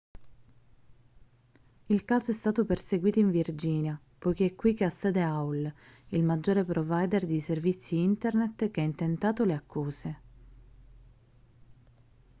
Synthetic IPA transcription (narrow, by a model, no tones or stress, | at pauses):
ilkaːzoɛst̪aːt̪operseɡwiːt̪oiɱvird͡ʒiːnja | pɔjkeɛkːwikːeasːɛːd̪eawlilmad͡ʒːoːɾepɾovajd̪erd̪iservit̪sːiint̪ernet̪k̟eɛint̪ent̪aːt̪oleakʰːuːze